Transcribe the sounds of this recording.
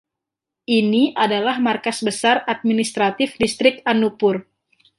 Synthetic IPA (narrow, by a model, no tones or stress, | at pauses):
ʔiniʔadalahmarkasbəsarat̪̚minist̪ɾat̪ɪfdist̪ɾɪk̚t̪anupʊr